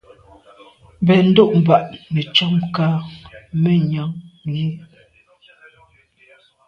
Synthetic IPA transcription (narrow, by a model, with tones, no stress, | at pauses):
bɛ˨n̩˦do˦˨ʔm˨ba˨ʔne˨t͡ʃɔ˦mkaː˦me˦ɲa˨˦ŋŋ˨ɡe˦